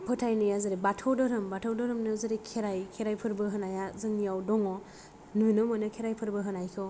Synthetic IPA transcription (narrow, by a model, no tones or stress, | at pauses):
pʰɯtʰajnɯjazɯɾebatʰɔwdɔɾɯmbatʰɔwdɔɾɯmnɯzɯɾekʰeɾajkʰeɾajpʰɯɾbɯɦɯnajazɯŋijawdɔŋɔ | nujnɯmanɯkʰeɾajpʰɯɾbɯɦɯnajkʰɯ